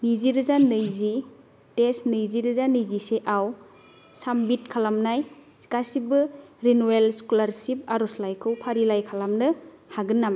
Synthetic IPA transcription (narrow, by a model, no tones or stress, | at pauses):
niziɾɯzanɯjzi | tesnɯjziɾɯzanɯjziseʔaw | sambitkʰalamnaj | kasibɯɾinuelskulaɾsip̚aɾɔslajkʰɯwpʰaɾilajkʰalamnɯhaɡɯnːam